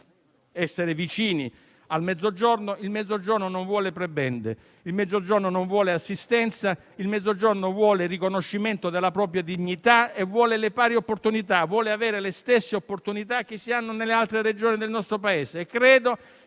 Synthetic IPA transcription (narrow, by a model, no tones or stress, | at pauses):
ɛsːeɾevit͡ʃiːni | almɛd̪zːod͡ʒornoilmɛd̪zːod͡ʒornonoɱvwɔːlepɾebɛnd̪ḛ | ilmɛd̪zod͡ʒornonoɱvwɔːleasːist̪ɛnt̪sa | ilmɛd̪zod͡ʒornovwɔːlerikonoʃːiment̪od̪elːapɾɔːpɾjad̪iɲːit̪aevːwɔːlelepaːɾjeopːort̪unit̪avwɔːleaveːɾelest̪esːeopːort̪unit̪ak̟ːɪsːianːonelːealt̪ɾeɾed͡ʒoːnid̪elnɔst̪ɾopaeːseːkːɾeːd̪o